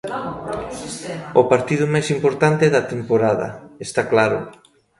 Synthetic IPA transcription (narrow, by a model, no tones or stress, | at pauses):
ʊpaɾt̪iðʊmajsimpoɾt̪ant̪eðɐt̪empoɾaðɐ̰est̪aklaɾʊ̰